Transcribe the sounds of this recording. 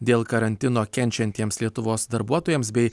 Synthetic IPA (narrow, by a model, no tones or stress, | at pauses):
d̪ʲeːlˠkɐɾɐnʲt̪ʲɪnoːkʲɛnʲt͡ʃʲɛnʲt̪ʲiɛmslʲiɛt̪ʊʋoːsd̪ɐɾbuɔt̪oːjɛmsbʲɛɪ